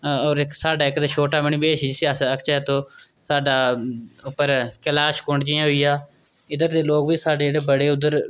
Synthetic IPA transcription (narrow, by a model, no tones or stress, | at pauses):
ɔːɾɪksaːɖaːɪkd̪aːʃoːʈaːməɳiːbeːʃd͡ʒɪseəsəkt͡ʃaːt̪õː | saːɖaːʊpːəɾkəlaːʃkʊɳɖd͡ʒɪːãːɦoiːaː | ɪd̪əɾd̪eːloːkʋiːsaːɖeːd͡ʒeɽeːbəɽeːʊd̪əɾ